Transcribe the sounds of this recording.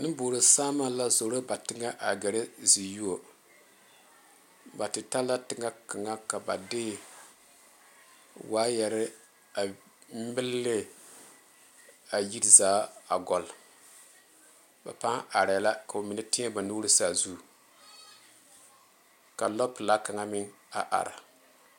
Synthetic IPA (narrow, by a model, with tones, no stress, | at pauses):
nɨ˦boː˨ɾɨ˨saː˦ma˦la˦zo˨ɾo˦ba˨tɪ˦ŋa˦ʔa˨ɡɛ˨ɾɪ˦zi˨ju˦o˨ | ba˨tɪ˨ta˦lːa˦tɪ˦ŋa˦ka˨ŋa˦ka˨ba̰˨dɪ˦ | waː˦jɛ˨ɾɪ˦ | a˨ | mɪ˦lːɪ˦ | a˨ji˦ɾzaː˦a˨ɡɔ˨l | ba̰˨pa˦ŋa˨ɾa˨la˦ka˨o˨mi˨nɨ˦tɪ˦a˦ba˨nu˦ɾi˦sa˨zu˦˨ | ka˨lɔ˦pla˦ka˨ŋa˦mɪ˦ŋ | a˨ʔa̰˨ɾa̰˨